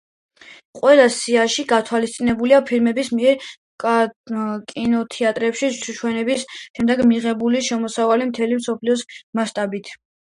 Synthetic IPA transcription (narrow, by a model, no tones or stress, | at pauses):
qʼwɛlˠasiaʃiɡat̪ʰwalist̪sʼinɛbuliapʰilmɛbismiɛɾ | kʼinɔt̪ʰiat̪ʼɾɛpʃiʃuʃʰwɛnɛbisʃɛmd̪ɛɡmiʁɛbuliʃɛmɔsavalimt̪ʰɛlimsɔpʰliɔsmaʃt̪ʼabit̪ʰ